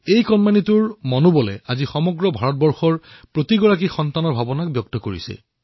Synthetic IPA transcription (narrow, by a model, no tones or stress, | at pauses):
ejkɔnmanituɹmɔnubɔlɛ̰azixɔmɔɡɹɔbʱaɹɔt̚bɔɹxɔɹpɹotiɡɔɹakixɔntanɔɹbʱabɔnak̚bjɔk̚tɔkoɹḭsɛ̰